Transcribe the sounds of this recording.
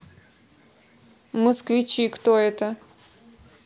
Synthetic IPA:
məskvʲɪt͡ɕikt̪oɛt̪ə

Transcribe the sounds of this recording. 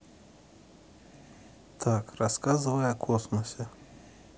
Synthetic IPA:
t̪ʰakraskazɨvɐjɐkʰosmɐsʲe

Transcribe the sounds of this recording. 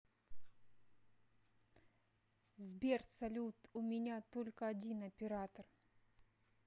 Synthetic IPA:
zbʲert̪sɐlʲut̪ʊmʲɪnʲat̪olʲkəɐdʲinɐpʲɪɾat̪ər

